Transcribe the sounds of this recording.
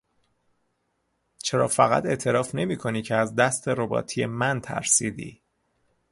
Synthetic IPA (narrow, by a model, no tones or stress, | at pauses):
t͡ʃʰe̞ɾɒ̰ːfæɣæ̰t̪e̞ʔt̪ʰe̞ɾɒːfne̞miːkʰo̞niːcʰeæzd̪æst̪ʰe̞ɾo̞bɒ̰ːt̪ʰijḛmænt̪ʰæ̰ɾsiːd̪ḭː